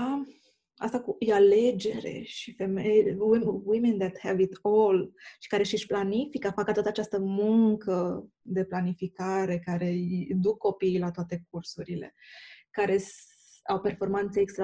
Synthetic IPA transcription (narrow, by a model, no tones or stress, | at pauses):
a | a̰st̪akujeale̞d͡ʒe̞ɾe̞̰ʃife̞mejwiwimend̪ɛt̪hɛvit̪olʃi̥kaɾe̞ʃiʃʲplanifikafakəat̪at̪at͡ʃast̪əmuŋkə | d̪e̞planifikaɾe̞kaɾe̞id̪ukːo̞pijlat̪oat̪e̞k̚ursuɾile̞̰kaɾe̞s | awpe̞rfo̞rmant̪seːkst̪ɾa